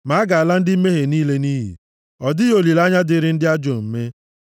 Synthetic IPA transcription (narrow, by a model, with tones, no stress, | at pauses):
ma˨˦ɡa˨a˨la˦n̩˦dɪ˦m̩˦me˦ɦe˨niː˦le˦ni˦ɦḭ˨ | ɔ˨dɪ˦jo˨li˨la˦ɲa˦dɪ˦ɾɪ˦n̩˦dɪ˦a˦d͡ʒo˨m̩˨me˦